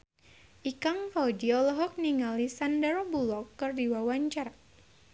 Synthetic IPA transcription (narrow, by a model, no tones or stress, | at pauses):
ʔikaŋfaudiɔlɔɦɔk̚niŋalisandəɾɔbulɔkːɨrdiwawaɲt͡ʃar